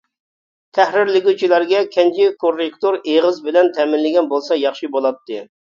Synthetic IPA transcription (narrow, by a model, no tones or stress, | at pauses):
t̪ʰæhɾɪɾlɪɡʲut͡ʃʰilˠæɾɡʲɛkʲʰɛnt͡ʃʰɪkʰorekt̪oɾeʁəzbɪlɛnt̪ʰɛmɪnlɪɡʲɛnbolˠsɑjɑχʃibolˠɑp̚t̪ʰːɨ